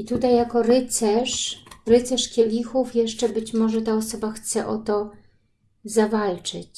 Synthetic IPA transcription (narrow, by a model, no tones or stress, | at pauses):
it̪ut̪ajːakɔɾɘt̪sɛʂɾɘt̪sɛʂkʲjɛlʲixufjɛʂt͡ʂɛbɘt͡ɕmɔʐɛt̪aɔsɔbaxt̪sɛʔɔ̰t̪ɔ | zavalt͡ʂɘ̰t͡ɕ